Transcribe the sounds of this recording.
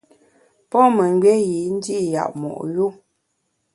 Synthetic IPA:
pɔ˦mə˨ŋ˦ɡɛ˦ji˨˦n̩˦di˦ʔja̰˨ʔmɔ̰˨ʔju˦

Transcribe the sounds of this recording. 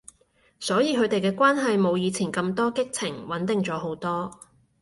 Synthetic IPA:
sɔː˨˥jiː˨˧kʰɵ˨˧ɥt̪e˨jkɛː˧kʷwaː˥nɦɐ˨jmo˨˧wjiː˨˧t͡sʰiː˨˩nkɐ˧mt̪ɔː˥kɪ˥k̚t͡sʰɪ˨˩ŋwɐ˨˥nt̪ɪ˨ŋt͡sɔː˨˥ɦo˨˥wt̪ɔː˥

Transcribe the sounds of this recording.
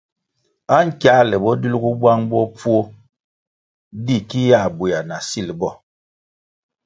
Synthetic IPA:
a˦ŋ̩˦kja˦lɛ˨bɔ˦di˦lɡu˦bwa˦ŋbɔ˦p͡fu˦o˦ | di˦˨ki˦ja˦˨bu˨a˨na˨si˦lbɔ˦˨

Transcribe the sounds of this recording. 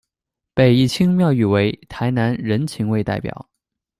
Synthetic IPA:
pe˨˩ɪi˥˩t͡ɕʰi˥ŋmjɑ˥˧ʊy˥˩we˧˥ɪt̪ʰa˧˥ɪna˧˥nɻə˧˥nt͡ɕʰi˧˥ŋwe˥˧ɪt̪a˥˩ɪpjɑ̰˨˩˦ʊ

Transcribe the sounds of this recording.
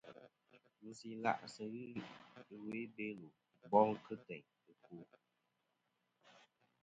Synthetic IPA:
mu˨si˨la̰˦˨ʔsə˨ɣɨ˦ɨ˨we˨˦be˦lo˨ | bɔ˦ŋ˦kɨ˦tɛ˨ɲ | ɨ˨ku˨˦

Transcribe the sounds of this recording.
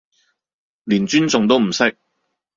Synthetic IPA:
liː˨˩nt͡ʃyː˥nt͡sʊ˨˧ŋt̪o˥wm̩˨˩sɪ˥k̚

